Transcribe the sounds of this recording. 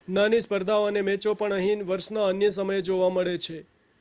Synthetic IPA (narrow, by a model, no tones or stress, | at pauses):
nanispəɾd̪ʱaoənemɛ̃t͡ʃopəɳəɦinʋəɾʃnaənjəsəməjed͡ʒoʋaməɭet͡ʃʰe